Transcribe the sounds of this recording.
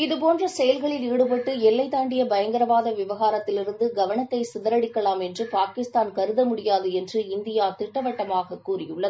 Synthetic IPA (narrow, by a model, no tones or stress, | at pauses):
ɪðɯpoːndrɐsɛjɐlɣɐɭɪliːɽɯpɐʈːɯɛlːɐɪt̪aːɳɖɪjɐbɐjɐŋɡɐɾɐʋaːðɐʋɪʋɐɣaːɾɐt̪ːɪlɪɾɯnd̪ɯɡɐʋɐɳɐt̪ːɐɪsɪðɐɾɐɽɪkːɐɭaːmɛndrɯpaːkɪst̪aːnkɐɾɯðɐmʊɽɪjaːðɯɛndrɯɪnd̪ɪjaːt̪ɪʈːɐʋɐʈːɐmaːɣɐkːuːrɪjɯɭːɐðɯ